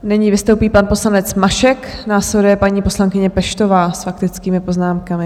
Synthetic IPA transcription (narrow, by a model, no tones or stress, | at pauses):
nɛɲivɪst̪owpiːpanpo̞slanɛt͡smaʃɛknaːslɛdujɛpaɲiːpo̞slaŋkɪɲɛpɛʃt̪o̞vaːsfak̚t̪ɪt͡skiːmɪpo̞znaːmkamɪ